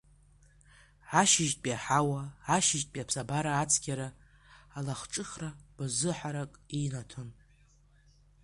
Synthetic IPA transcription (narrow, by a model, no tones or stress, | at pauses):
ʕaʃɪʒtʼpʼiaħawaʕaʃɪʒtʼpʼiapʰsabaɾaːt͡sʰɡʲaɾaː | laχʈ͡ʂʼɨχrab̥azɨħaɾakʼinatʰɨn